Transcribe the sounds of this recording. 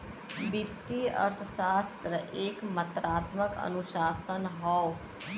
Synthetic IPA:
bit̪ːiə̰ɾt̪ʰəsaːst̪ɾəʔeːkmət̪ɾaːt̪məkə̰nuʃaːsənɦɔw

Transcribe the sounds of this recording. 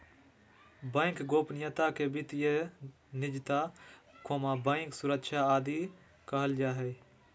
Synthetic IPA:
bə̃ɪkɡoːpnɪjət̪akebit̪je | nɪd͡ʒt̪akʰoːmabə̃ɪksʊɾəkʃaːd̪i | kəɦəld͡ʒaːɦɛː

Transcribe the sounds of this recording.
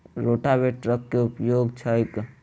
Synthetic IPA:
ɾoʈabeʈɾəkːeupjoɡt͡ʃʰəjk

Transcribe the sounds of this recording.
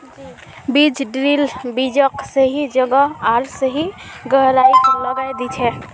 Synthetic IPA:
bid͡ʒɖɾilbid͡ʒəksəɦid͡ʒəɡaaɾsəɦi | ɡəɦɾaikələɡajd̪it͡ʃʰɛ

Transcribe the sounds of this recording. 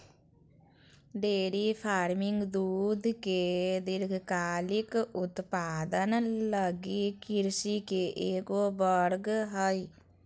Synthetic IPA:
ɖeːɾipʰaːɾmɪŋɡd̪uːd̪ʱked̪ɪɾɡʱkaːlɪkʊt̪paːd̪ənləɡikɪɾsikeʔeːkobəɾɡɦəi

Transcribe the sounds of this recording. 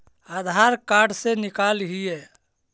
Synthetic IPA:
ad̪ʱaːɾkaːɖsenɪkaːlɦiɛ

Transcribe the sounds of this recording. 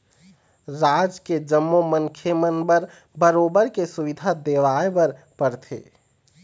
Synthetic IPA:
ɾad͡ʒked͡ʒəmːomənkʰjemənbəɾ | bəɾoːbəɾkesuʋid̪ʱad̪eʋaebəɾ | pəɾt̪ʰḛː

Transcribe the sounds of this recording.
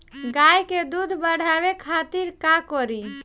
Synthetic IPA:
ɡajked̪ud̪ʱbəɽ̤abekʰat̪iɾkakɔɾi

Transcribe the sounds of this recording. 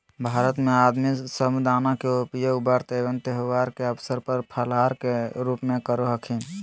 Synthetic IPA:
bʱaɾət̪mead̪misəmd̪anakeopijəubəɾt̪eʋənt̪eɦʋaɾkeəpʰsəɾpəɾpʰəlaɾkeɾupmẽkəɾoɦəkʰin

